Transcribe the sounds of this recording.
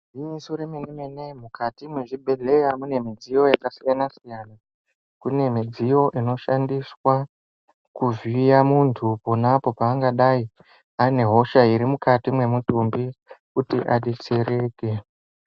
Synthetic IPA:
imisuɾemenemenemukʰatimweʐibʱe̞ɮe̞jamune̞mid͡zijo̞jakasijanasijana | kune̞mid͡zijo̞ʔino̞ʃandiswa | kuvijamuntʰupo̞napo̞paːŋɡaɗai | ane̞ɦo̞ʃaiɾimukatimwe̞mutumbikutiʔa̰ɗet͡seɾe̞ːke̞

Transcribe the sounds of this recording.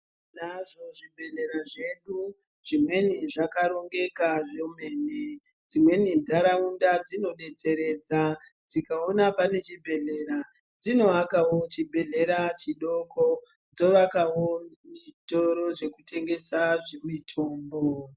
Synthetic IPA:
naʐo̞ʐibʱe̞ɮe̞ɾaʐe̞ɗu | ʐ̥imwe̞niʐakaɾo̞ŋɡe̞kaʐeme̞ːne | d͡zimwe̞nindʱaɾaundad͡zino̞ɗe̞t͡se̞ɾe̞ːd͡zad͡zikaonapane̞t͡ʃibʱe̞ɮeɾa | d͡zino̞akawo̞t͡ʃibʱe̞ɮe̞ɾat͡ʃiɗo̞kʰo | d͡zo̞ʋakawomitoɾo̞ʐe̞kutʰe̞ŋɡe̞saʐemitʰo̞ːmbo

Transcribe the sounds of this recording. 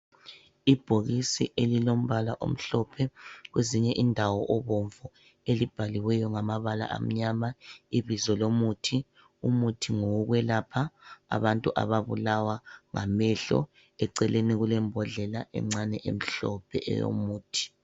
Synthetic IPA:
ib̥ʱoɣisiʔelilom̩βala̰ʔo̰m̩ɬɔpʰɛɣweziɲɛʔindʱawɔʔɔβoɱvu | elib̥ʱaliwɛjɔŋamaβala̰ʔa̰m̩ɲamaiβizɔlomutʰi | umutʰiŋouɣwɛlapʰaa̰βantʼuʔa̰βaβulawaŋa̰mɛɬɔ̰ | ɛǀɛleniɣulɛmbʱɔɮɛlaʔɛ̰ŋ͡ǁanɛʔḛm̩ɬɔpʰɛ̰ɛ̰jo̰muːtʰi̥

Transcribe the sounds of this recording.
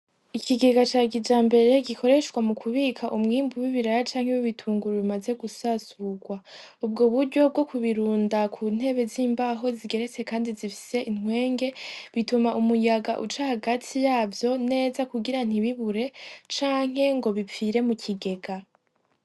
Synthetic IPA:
ikʰiɡe̞ɡat͡ʃaːɡid͡ʒaːmbe̞ɾe̞ɡikʰo̞ɾe̞ʃkwamukʰuβiːkʰaʔumŋiːmbuwiβiɾaɾat͡ʃaːŋhewiβitʰuːŋɡuɾuβimaze̞ɡusasuɡwa | ub̚ɡoβuɾɟo̞b̚ɡo̞kʰuβiɾuːndakʰun̥e̞βe̞ziːmbaɦo̞ziɡe̞ɾe̞t͡se̞kaːndizifi̥se̞ʔinŋwe̞ːŋɡe̞βitumaʔumujaɡaʔut͡ʃahaɡatʰijaːvjo̞ne̞ːzakuɡiɾan̥iβiβuɾe̞t͡ʃaːŋ̥ɦe̞ŋɡo̞βipp͡fiɾe̞mucʰiɡe̞ɡa

